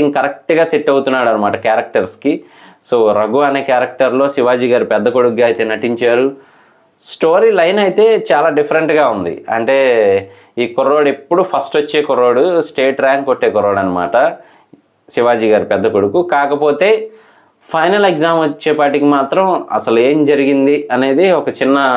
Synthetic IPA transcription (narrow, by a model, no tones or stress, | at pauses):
iŋkɐɾɐk̚ʈɡaːseʈːɐwut̪unːaːɽɐnɐmaːʈɐkaːɾɐk̚ʈɐɾski | soːɾɐɡuɐneːkjaːɾɐk̚ʈɐɾlo̞ːsiʋaːd͡ʒiːɡaːɾupɛd̪ːɐkoɽukɡaːɐjt̪e̞ːnɐʈiɲt͡ʃaːɾu | sʈo̞ːɾiːlɐjnɐjt̪e̞ːt͡ʃaːlaːɖipʰɐɾeɳʈɡaːund̪ḭɐ̰ɳʈe̞ː | iːkoɾːo̞ːɽepːuɽupʰɐsʈʋɐt͡ʃːe̞ːkuɾːoːɽusʈeːʈɾaːŋkoʈːeːkɔɾoːɽɐnɐma̰ːʈɐ | siʋaːd͡ʒiːɡaːɾupɛd̪ːɐkoɽukukaːkɐpo̞ːt̪e̞ː | pʰɐjnɐleɡzaːmɐt͡ʃːeːpaːʈikimaːt̪ɾɐmɐ̰sɐlue̞ːmd͡ʒɐɾiɡind̪iɐne̞ːd̪iɔkɐt͡ʃinːɐ